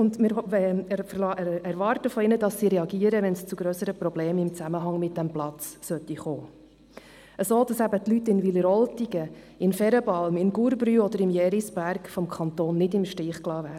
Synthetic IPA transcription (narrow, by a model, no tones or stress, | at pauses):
ʊndmɪɾɛfərlɑɛɾʋɑɾtəfɔɪnədɑsːiɾɛɑɡiːəɾəʋɛnst͡sʊɡɾøsəɾəpɾɔbleːmɪmt͡sæməɦɑŋmɪt̚d̥æmplɑt͡ssœt̪ːiχoː | əsoːdɑsæbət̪lytːɪnviləɾɔltiɡə | ɪnfɛɾəbɑlmɪnɡuɾbɾyɔd̪əɾɪmjɛːɾisbæɾkfɔmkʰɑnt̪oːnːɪdɪmʃtɪːχklɑːvæːɾə